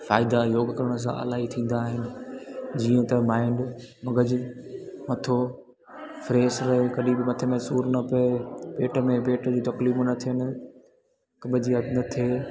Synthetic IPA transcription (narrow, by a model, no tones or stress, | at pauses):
faːɪd̪ajoːɡkɐɾəɽ̃əs̬ã̰ʔɐ̰laːɦit̪ʰĩːn̆d̪aːɦɪnɪ̆d͡ʑiə̃t̪ɐmaːɪɳɖ | mɐɡəd͡ʑɪmɐt̪ʰo | fɾeːsɾɐɦekɐɗĩbɪmɐt̪ʰemẽsuːɾnɐpɐepeːʈə̆mẽpeːʈd͡ʑuːt̪ɐkliːmnɐt̪ʰijənɪ̆ | kɐbʱɪd͡ʑiɐnɐt̪ʰeː